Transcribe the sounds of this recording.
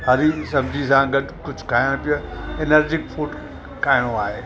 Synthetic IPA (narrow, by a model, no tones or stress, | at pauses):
ɦɐɾisɐbd͡ʑʱisãɡɐɗkʊd͡ʑʱʊ̥kʰaːəɽ̃pijoenəɾd͡ʑɪkfʰoːʈ | kaːɦɪɽ̃oaːɦeː